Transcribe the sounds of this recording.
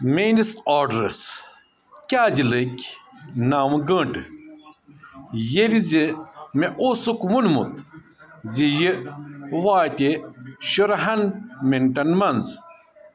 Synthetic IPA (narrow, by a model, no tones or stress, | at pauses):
menisaːɖɾɨs | kʲaːd͡ʑilɨkʲnaːmɡəːɳʈɨ | jelizimeʔoːsukmulmṵt̪ | zijiwaːt̪ʲeʃoɾɐɦɐnmenʈɐnmɐnz